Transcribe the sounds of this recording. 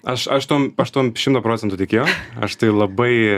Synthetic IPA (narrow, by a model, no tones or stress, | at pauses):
ɐʃɐʃt̪uɔmɐʃt̪uɔmʃʲɪmt̪oːpɾoːt͡sʲɛnt̪ʊt̪ʲɛɪkʲeːjɛʊɐʃt̪ɐɪlˠɐbɐɪ